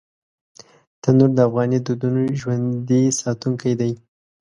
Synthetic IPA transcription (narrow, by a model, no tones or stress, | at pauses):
t̪anoɾd̪əafɣɑnid̪ud̪unoʒwand̪isɑt̪uŋkajd̪aj